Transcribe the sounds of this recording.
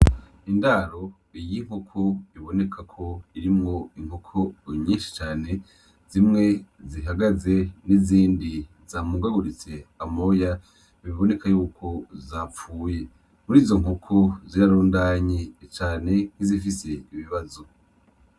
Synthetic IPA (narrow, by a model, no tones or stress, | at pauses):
indaɾo̞ | ijiŋhukʰuiβo̞ne̞kʰakʰo̞iɾimŋo̞iŋhukʰuɲiːnʃi̥t͡ʃaːne̞ | z̥imŋe̞ziɦaɡaze̞niziːndi | z̥aːmuɡaɡuɾit͡se̞amo̞ja | iβiβo̞ne̞kajuːkʰo̞zap͡ffuje̞ | muɾiːzo̞ŋukʰuziɾaɾuːndaɲet͡ʃaːne̞ŋ̥izifise̞iβiβazo